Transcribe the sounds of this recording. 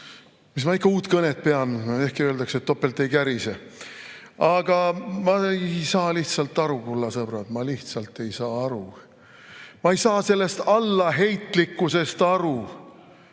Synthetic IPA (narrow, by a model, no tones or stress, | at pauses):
mis̬mɑikːɑuːt̪kɤnet̪̚pe̞ɑne̞hkiøld̪ɑkset̪ːo̞pːelt̪ːˑe̞jkæɾise | ɑɡ̥ɑmɑejsɑːliht̪sɑlt̪ːˑɑɾukulːɑsɤb̥ɾɑd̪mɑliht̪sɑlt̪ːˑe̞jsɑːɑɾu | mɑejsɑːse̞lːe̞st̪ɑlːɑɦe̞jt̪ˑlikːuse̞st̪ɑɾu